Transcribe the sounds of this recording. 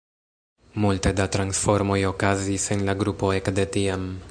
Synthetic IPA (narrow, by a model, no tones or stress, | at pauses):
multe̞datɾansfo̞ɾmo̞jo̞kazisenlaɡɾupo̞ekde̞tiam